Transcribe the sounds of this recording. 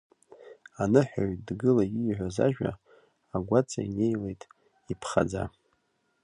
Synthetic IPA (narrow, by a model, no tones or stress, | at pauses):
anɨħᶣaɥʼdɡɨlaiʕʷaza̰ʒᶣa̰ | aɡʷat͡sʼa̰ine̞jlejtʼ | ipʰχa̰d͡za̰